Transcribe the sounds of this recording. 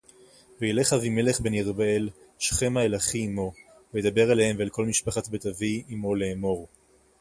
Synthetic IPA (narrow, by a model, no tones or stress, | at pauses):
vejele̞χavimeleχbeniʁbael | ʃχe̞maelaχiːmo̞ | vejed̪abe̞ʁalehemvealko̞lmiʃpaχat̪bet̪aviimo̞leːmo̞ʁ